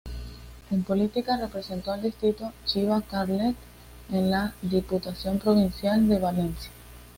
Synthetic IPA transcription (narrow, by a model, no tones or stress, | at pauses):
e̞mpo̞lit̪ikare̞pɾe̞se̞nt̪o̞ald̪ist̪ɾit̪o̞t͡ʃiβakaɾlet̪ | enlaðiput̪asjo̞mpɾo̞βinsjald̪e̞βale̞nsja